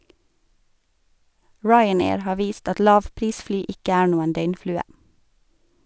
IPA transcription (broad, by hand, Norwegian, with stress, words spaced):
ˈɹɑɪəˌneːɹ ˈhɑː ˈʋiːst ˈɑt ˈlɑːʋˌpɾiːsˌflyː ˈɪkə ˈæːɾ ˈnuːən ˈdœʏnˌflʉːə